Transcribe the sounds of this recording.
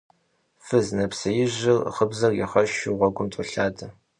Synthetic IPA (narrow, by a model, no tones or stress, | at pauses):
fɨznɐpsɐjɪʑɪrχəbzɐrjɪ̰χɐʃɪʁʷɔɡʷʊmtʼʊɬaːdʰɐ